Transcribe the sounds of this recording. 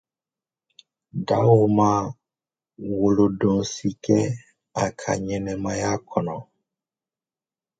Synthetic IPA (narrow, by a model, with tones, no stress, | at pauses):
da˦wo˨mã˦ | wo˨lo˨dõ˨si˨kɛ˦ | a˨kʰa̰˨ɲɛ˨nɛ˨mã˦ja˦kʰɔ˨nɔ̃˨